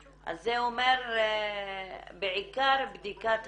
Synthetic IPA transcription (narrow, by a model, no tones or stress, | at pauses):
ʔa̰zːeomeɾ | beʕikaɾbd̪ikat̪